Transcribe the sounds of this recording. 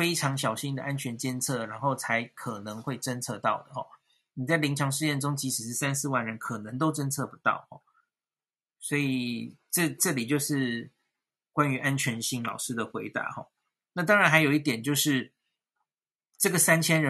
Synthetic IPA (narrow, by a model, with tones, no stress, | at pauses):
fe˥ɪʈ͡ʂʰɑ˧˥ŋɕ̬jɑ˨˩ʊɕi˥nd̪ə˨ʔa˦˥nt͡ɕʰɥɛ˧˥nt͡ɕjɛ˥nt͡sʰɤ˥˩ɻa˧˥nxo˥˩ʊt͡sʰa˧˦˥ɪkʰɤ˨˩nɤ˧˦ŋxwe˥˩ɪʈ͡ʂə˥nt͡sʰɤ˥˧t̪ɑ˥˩ʊd̪ə˩xɔ̰˨˩ | ni˨˩t͡sa˥˩ɪli˧˥ŋt͡ɕʰjɑ˧˥ŋʂ̬ɻ̩˥˧jɛ˥˩nʈ͡ʂʊ˥ŋt͡ɕi˧˥ʂ̩˨˩ʂɻ̩˥˩sa˥nsɹ̩˥˧wa˥˩nɻə˧˦nkʰɤ˨˩nɤ˧˦ŋt̪̬o˥ʊʈ͡ʂə˥nt͡sʰɤ˥˩pu˧˥t̪ɑ̰˥˩ʊxɔ̰˨˩ | swɔ˧˥i˨˩ʈ͡ʂɤ˥˧ʈ͡ʂɤ˥˩li˨˩t͡ɕjo˥˧ʊʂɻ̩˥˧ | kwa˥ny˧˥ʔa˦˥nt͡ɕʰɥɛ˧˥nɕi˥˩ŋlɑ̰˨˩ʊʂɻ̩˥d̪ə˨xwe˧˥ɪt̪a̰˧˦xɔ̰˥˩ | na˥˩t̪̬ɑ˥ŋɻa˨˧nxa˧˥ɪjo˨˩ʊi˥˩t̪jɛ˨˩nt͡ɕjo˥˧ʊʂɻ̩˥˩ | ʈ͡ʂɤ˥˩ɡə˩sa˥nt͡ɕʰjɛ˥nɻə˧˦